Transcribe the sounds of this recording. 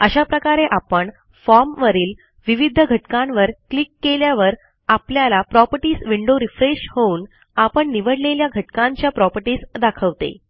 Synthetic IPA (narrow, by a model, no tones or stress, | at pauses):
əɕapɾəkaɾeʔapəɳ | fɔɾmʋəɾiːl | ʋiʋid̪ʱəɡʱəʈkãnʋəɾklikːeljaʋəɾ | apljalapɾɔpəɾʈiːsʋiɳɖoɾifɾeɕhouːn | apəɳniʋəɽleljaɡʱəʈkãɲt͡ɕjapɾɔpəɾʈiːsd̪akʰəʋt̪ḛ